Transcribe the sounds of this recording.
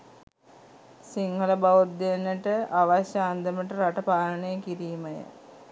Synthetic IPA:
siŋɡələbaʋut̪ːenːəʈəaʋaɕjaːnd̪əməʈəɾaʈəpaːləɳejəkiɾiːməjə̰

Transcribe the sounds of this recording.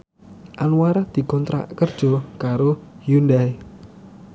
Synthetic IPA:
ʔanwaɾad̪̥i̤kɔnt̪ɾa̰ʔkərd̥ʒ̥ɔ̤kaɾojundaj

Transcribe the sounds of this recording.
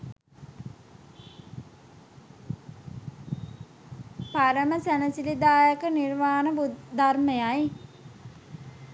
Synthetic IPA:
paɾəməsænəsilid̪aːjəkənirʋaːnəbud̪armejaj

